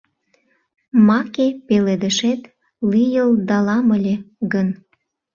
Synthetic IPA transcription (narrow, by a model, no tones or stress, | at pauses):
mɑkepeled̪əʃet̪ | lijəld̪ɑlɑməlʲeɡən